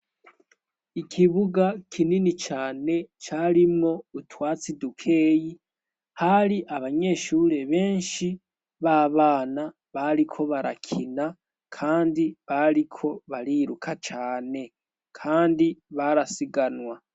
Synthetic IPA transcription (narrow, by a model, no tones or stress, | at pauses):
ikʰiβuɡakʰininit͡ʃaːne̞t͡ʃaːɾimŋo̞utwaːt͡sidukʰe̞ːji | haɾiʔaβaɲe̞ːʃuɾe̞βe̞ːnʃi | βaβaːna | βaɾikʰo̞βaɾa̰kʰina | kʰaːndiβaɾikʰo̞βaɾiɾukʰat͡ʃaːne̞ | kʰaːndiβaɾasiɡanwa